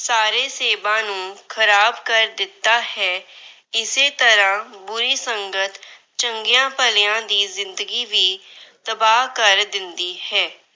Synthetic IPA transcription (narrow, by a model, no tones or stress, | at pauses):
saːɾeːseːbãːnũːkʰəɾaːbkəɾd̪ɪt̪ːaːhɛː | ɪseːt̪əɾãːbʊɾiːsəŋɡət̪ | t͡ʃəŋɡɪjãːpəlɪjãːd̪iːzɪnd̪əɡiːʋiːt̪əbaːɦkəɾd̪ɪnd̪iːhɛː